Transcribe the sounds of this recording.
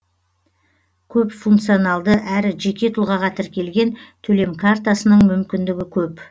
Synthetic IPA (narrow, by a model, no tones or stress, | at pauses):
kʲʰɵpfuŋkt̪sionɑlˠd̪əʔæɾɪʒe̞kʲe̞t̪ʰʊlˠʁɑʁɑt̪ʰɪɾkʲʰe̞lɡʲe̞nt̪ʰɵle̞mkʰart̪asənəɴmʏmkʲɪnd̪ɪɡʲɪkʲʰɵp